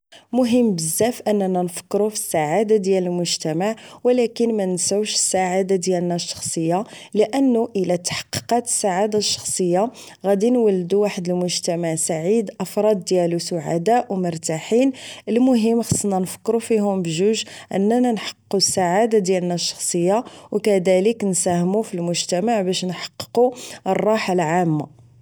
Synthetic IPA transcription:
mʊɦəmːbəzːæfʔənːænænfə̥kːɾufi̥sːaʕad̪ad̪jæləlmʊʒt̪æmaʕwəlækənmænsæwʃə̥sːaʕad̪ad̪jælnæʃːɑ̥xsˤəjːaləʔənːuʔəlæt̪ːḁħɑ̥qːi̥qɑt̪ə̥sːaʕad̪aʃːɑ̥xsˤəjːa | ɣæd̪inwəlːd̪uwaħəd̪əlmʊʒt̪æmaʕsaʕid̪ʔəfɾˤɑd̪ːjælusʊʕa̰d̪aʔwmʊɾˤt̪aħinʔəlmʊɦəmːxɑsˤːənːænfə̥kːɾufiɦʊmbʒuʒʔə̰nːænænħɑ̥qːusːaʕad̪ad̪jælnæʃːɑ̥xsˤəjːawkæd̪æləknsæhmufilmʊʒt̪æmaʕbæʃnħɑ̥qːə̥quərˤːɑħalʕamːa̰

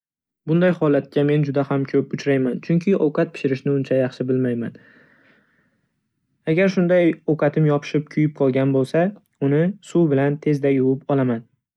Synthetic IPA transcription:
bʊnd̪ajhɒlat̪̚kʲame̞nd͡ʒʊd̪ahamkʲʰɵpʊt͡ʃʰɾajmant͡ʃʰʊŋkʲʰɪʔowqɑt̪̚pʰɪ̥ʃɪɾɪʃnɪʊnt͡ʃʰajɑχʃɪbɪlmajman | aɡʲaɾʃʊnd̪ajowqʰɑt̪ʰɪmjɒpʰɪ̥ʃɪp̚kʲʰʊjɪp̚qʰɒlˠɡʲanbolˠsa | ʊnɪsubɪlant̪ʰe̞zd̪ajʊwɪpɒlˠaman

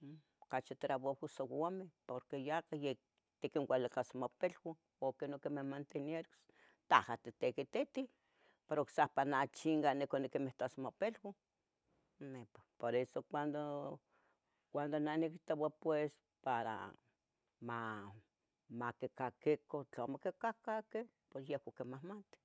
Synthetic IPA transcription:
okat͡ʃit̪ɾaβohusowamepoɾkejakaje | t̪ikiŋwʷalakasmopelwa | okenokemehmant̪enjeɾos | t̪ahat̪it̪ekit̪it̪i | peɾoksahpanat͡ʃiŋɡanekonikimeht̪asmopelwa | mepḁpoɾesokʷand̪o | kʷand̪onanekit̪owapwes | paɾa̰ | ma | makekakikot͡ɬomokekakake | posjehkakemahmant̪e̥

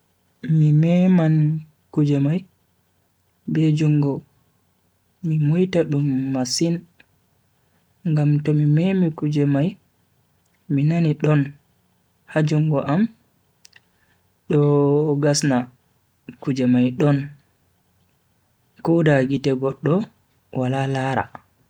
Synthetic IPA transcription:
mimɛman | kud͡ʒɛmaj | bed͡ʒuŋɡɔ | mimojtaɗumːasin | ŋɡamtɔmimɛmikud͡ʒɛmaj | minaniɗɔn | had͡ʒuŋɡɔʔam | ɗɔɡasna | kud͡ʒɛmajɗɔn | kudaɡitɛɡɔɗːɔ | walalaːɾa̰

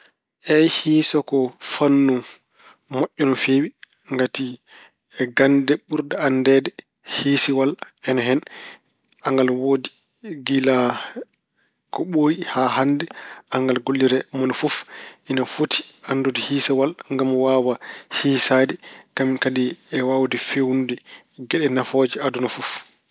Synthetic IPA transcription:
ʔɛjhiːsɔkɔfanːɔ | maʔːɔnɔfewi | ŋɡati | ɛɡandɛɓuɾdaandɛːdɛ | hiːsiwalɛnaɦɛn | aŋɡalwodi | ɡila | kɔɓoːjihahandɛaŋɡalɡolːiɾɛmɔnɔfufʔinafoti̥ʔanːdodihiːsawalŋɡamwawahiːsadikaminkadiɛwawdifewundi | ɡɛɗɛnafod͡ʒiadunɔfuf

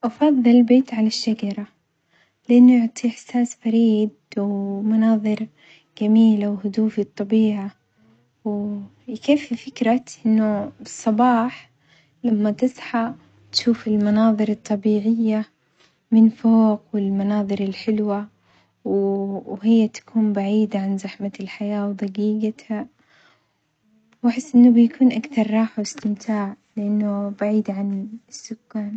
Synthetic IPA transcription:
ʔɑfɑðˤːɨlbeːt̪ʕalaʃːad͡ʒɑɾˤɑ | lɪʔanːjʊʕt̪ˤiʔɪħsaːsfaɾiːd̪wmanɑːðˤɨɾ | ɡ̥amiːlawɦʊd̪uːfit̪ˤːɑbiːʕa | w | keːfːifɪkɾaʔɪnːʊbɨsˤːɑbɑːħ | lamːat̪ɪsˤħa | t̪ʃuːfɪlmanɑːðˤɨɾɨt̪ˤːɑbiːʕɪjːa | mɪnfoːqwɪlmanɑːðˤɨɾɪlħɪlwa | wɦɪjːat̪ḁkʰuːmbaʕiːd̪ʕanzaħmalħajaːwd̪ɑɡiːɡat̪ha | waħɪsːʔɪnːʊbjakʰuːnʔakθɑɾˤːɑːħwɪst̪ɪmt̪ʰaːʕ | lɪʔanːʊbaʕiːd̪ʕanɪsːʊkːaːn

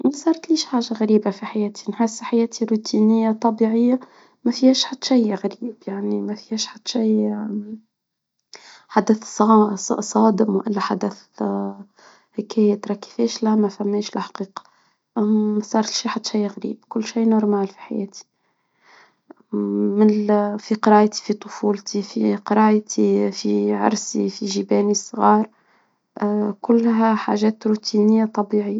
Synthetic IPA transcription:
mæsˤɑːɾˤt̪liːʃħaːʒaɣæɾiːbafiħajæːt̪i̥nħesːħajæːt̪ʰiɾut̪inɪjːat̪ˤɑbiʕɪjːa | mæfihɛːʃħad̪ːʃajɣæɾiːb̥jaʕnimæfihɛːʃħad̪ːʃij | ħad̪əθsɑsˤɑːd̪ɪmwʔɪlːæħad̪əθ | hikʰæːjat̪ɾˤɑkːi̥fɛːʃlæmæfæmːɛːʃlħḁqiːqɑ̥ | sˤɑːɾˤʃiħat̪ːʃajːɣɾḭːbkʊlːʃijːnʊɾˤmæːlfi̥ħa̰jæ̰ːt̪i̥ | mɪnfiqɾɑːʔt̪i̥fit̪ˤʊfuːlt̪ifiqɑɾˤɑːjt̪ʰifiʕɑ̰ɾˤsifiʒibɛːnisˤɣɑːɾˤ | kʊlːɦæħa̰ʒɛːt̪ɾut̪inəjːat̪ˤɑbiːʕi

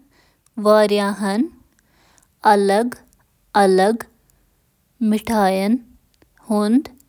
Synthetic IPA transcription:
ʋaːɾjaːɦɐn | ɐləɡ | ɐləɡ | mɪʈʰaːjɐn | hund̪

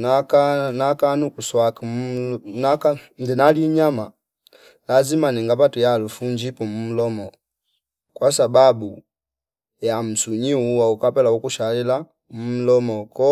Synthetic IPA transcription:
nakanakanukuswaki | nakandinaliɲama | lazimaniŋɡapatujalufuɲd͡ʒipumum̩lɔmɔ | kwasababu | jam̩suɲiuwaukapɛlaukuʃalila | m̩m̩lɔmɔkɔ

